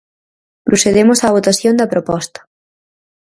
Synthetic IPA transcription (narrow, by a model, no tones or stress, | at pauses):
pɾoseðemʊsaβ̞ot̪aθjond̪ɐpɾopɔst̪ɐ̥